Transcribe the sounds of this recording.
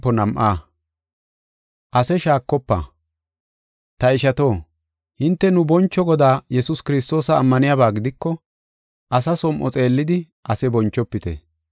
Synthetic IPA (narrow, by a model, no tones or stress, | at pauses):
ɔnɐmʔaː | ʔɐsɛʃaːkːɔpːa̰ː | t̪ɐɪʃɐt̪o̞ː | hɪnt̪ːɛnʊbɔnt͡ʃːɔɡɔd̪aːjɛsʊskɪɾɪst̪o̞ːsɐːmːɐnɪjabaːɡɪd̪ɪkːɔ | ʔɐsɐsɔmʔɔ̰t͡sʼe̞ːlːɪd̪ɪ | ʔɐsɛbɔnt͡ʃːɔpːɪt̪ɛ̰